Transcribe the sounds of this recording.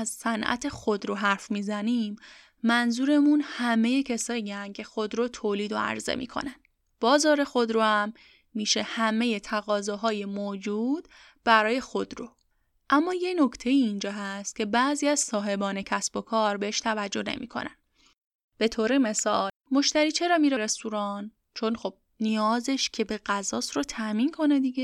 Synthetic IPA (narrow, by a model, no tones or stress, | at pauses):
æzsænʔæ̰t̪ʰe̞xod̪ɾoɦæɾfmiːzæniːmː | ænzuːɾe̞munhæme̞jecʰesɒːiæncʰe̞xod̪ɾot̪ʰoːliːd̪o̞̰æ̰ɾzḛmḭːkʰo̞̰nænd̪̥ | b̥ɒːzɒːɾe̞xo̞d̪ɾohæmː | iːʃe̞hæme̞je̞t̪ʰæɣɒːzɒːɦɒːjemoːd͡ʒuːd̪̥ | b̥æɾɒːje̞xo̞d̪ɾo | ʔæmːɒːje̞no̞cʰt̪ʰe̞jiːnd͡ʒɒːɦæst̪̚cʰe̞bæziːæzsɒːɦe̞bɒːne̞cʰæsb̥o̞kʰɒːɾbe̞heʃt̪ʰævæd͡ʒːo̞ne̞̰mḭkʰo̞̰næ̰n | b̥e̞t̪ʰoːɾe̞me̞sɒːlmo̞ʃt̪æɾiːt͡ʃʰe̞ɾɒːmiɾeɾest̪uɾɒːn | t͡ʃʰo̞nxob̥̚ | nijɒːzeʃcʰe̞beɣæzɒːsɾot̪ʰæmiːnkʰo̞ne̞d̪iːɟe